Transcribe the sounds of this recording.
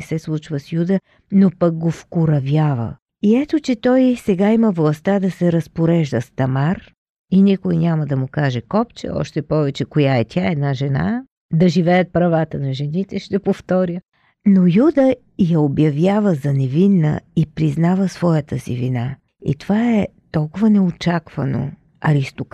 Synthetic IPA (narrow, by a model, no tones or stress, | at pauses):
ɛsɛslˠut͡ʃvəsjud̪ə | nopɐɡ̚ɡofkʊɾɐvjavə̰ | iɛt̪ot͡ʃɛt̪ɔjsɛɡaiməvlˠɐst̪ad̪ɐsɛɾɐspoɾɛʒd̪əst̪ɐmaɾ | inʲikʊjinʲaməd̪ɐmʊkaʒɛkɔpt͡ʃɛ̰ɔ̰ʃt̪ɛpɔvɛt͡ʃɛkojaɛt̪ʰʲaɛd̪naʒɛna̰ | d̪ɐʒivɛjət̪̚pɾɐvat̪ənɐʒɛnit̪ɛʃt̪ɛpoft̪ɔɾʲjə | nojud̪ə | jɐobjɐvjavəzɐnɛvinːə̰ipɾiznavəsvɔjət̪əsḭvina | ḭt̪ovaɛ | t̪ɔlˠkʊvənɛot͡ʃakvɐno̰ | ɐɾist̪ok